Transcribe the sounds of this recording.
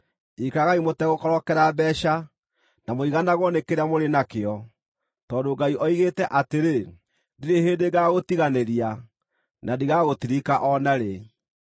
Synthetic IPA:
ikaɣaimotɛɣokɔɾɔkɛɾabɛʃa | namoiɣanaɣwɔnekeɾamoɾenakeɔ | tɔndoːɡaiʔɔiɣetɛʔateɾe | diɾeɦeːndeɡaːɣotiɣaneɾia | nadiɣaɣotiɾikaʔɔnaɾe

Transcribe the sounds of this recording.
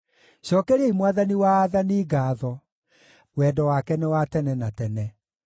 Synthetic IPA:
ɕɔkɛɾeimwaðaniwaːðaniːɡaːðɔ | wɛːdɔwakɛnɛwatɛnɛnatɛnɛ

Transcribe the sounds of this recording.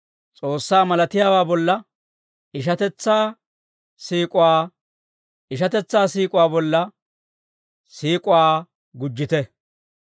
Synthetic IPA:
t͡sʼoːsːaːmɐlɐt̪ɪjaːwaːbɔlːɐ | ɪʃɐt̪ɛt͡sːaː | siːkʼʊwaː | ɪʃɐt̪ɛt͡sːaːsiːkʼʊwaːbɔlːɐ | siːkʼʊwaː | ɡʊd͡ʒːɪt̪ɛ

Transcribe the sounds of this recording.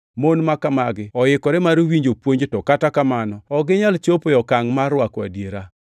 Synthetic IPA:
monmakamaɡɪɔjɪkɔɾɛmaɾwiɲd͡ʒopwoɲd͡ʒtɔkatakamanɔɔɡɪɲalt͡ʃopojɔkaŋmarwakwadjeɾa

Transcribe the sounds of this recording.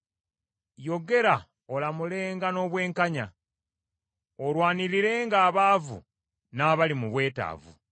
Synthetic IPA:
jo̞ɡe̞ɾa | olamule̞ːŋɡano̞ːβwe̞ːŋkaɲa | olwaːniɾiɾe̞ːŋɡaːβaːvṵ | naːβalimuβwe̞ːta̰ːvṵ

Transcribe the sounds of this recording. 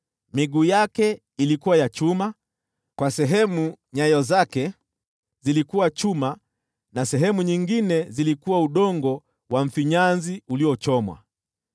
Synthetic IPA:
miɠuːjakɛ | ilikuwajat͡ʃuma | kwasɛɦɛmuɲajɔzakɛ | zilikuwat͡ʃuma | nasɛɦɛmuɲiŋɡinɛzilikuwauɗɔŋɡɔ | wam̩fiɲanziuliɔt͡ʃɔmwa̰

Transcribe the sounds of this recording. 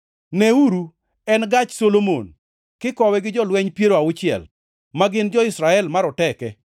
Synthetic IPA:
nɛuɾu | ɛnɡat͡ʃsolomo̰n | kɪkɔwɛɡɪd͡ʒɔlwɛɲpjeɾoaʊt͡ʃɪɛ̰l | maɡɪnd͡ʒɔɪsɾaɛlmaɾɔtɛkɛ

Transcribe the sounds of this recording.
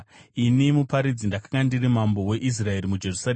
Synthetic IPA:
inimupaɾid͡zindakḁŋɡandirimambo̞we̞ʔis̬rae̞ɾimud͡ʒe̞rusa

